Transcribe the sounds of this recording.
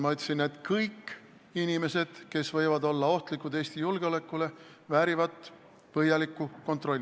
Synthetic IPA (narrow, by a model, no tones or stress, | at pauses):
mɑɑjt̪ːˑsinːe̞d̪̥kɤjkː | inime̞se̞d̪̥ke̞svɤjvɑd̪o̞lːɑo̞ht̪likːˑud̪̥e̞ːsʲt̪ijulɡ̥eo̞le̞kːˑule̞ | væːɾivɑt̪ːˑ | vɤjɑlikːˑuko̞nt̪ˑro̞lʲːi